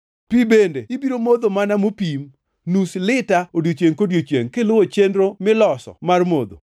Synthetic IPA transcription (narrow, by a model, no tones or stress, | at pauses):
pibendeɪbiɾomod̪omanamopim | nuslɪtaodjot͡ʃjeŋkodjot͡ʃjḛŋkelʊwot͡ʃendɾomɪlɔsɔ̰marmod̪o̰